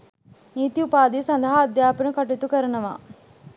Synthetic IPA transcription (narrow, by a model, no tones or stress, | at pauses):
niːt̪iupaːd̪iːsɐnd̪əɦaːd̪jaːpiɳəkɐʈt̪ukəɾɐnɐʋa̰ː